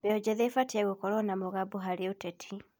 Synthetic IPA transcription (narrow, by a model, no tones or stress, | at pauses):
bɛɔd͡ʒɛðɛfatɛɣokɔɾɔnamoɣaboɦaɾeotɛtʰi